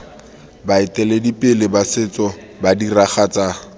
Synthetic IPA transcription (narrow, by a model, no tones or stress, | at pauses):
baɪtʼɛledipʼɪlɪbasɪt͡sɔ | badiraχat͡sʼaː